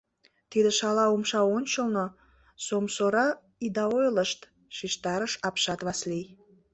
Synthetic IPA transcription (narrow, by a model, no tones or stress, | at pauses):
t̪id̪əʃɑlɑumʃɑonʲt͡ɕəlno | somsoɾɑ | id̪ɑojləʃt̪ | ʃiʃt̪ɑɾəʃɑpʃɑt̪βɑslij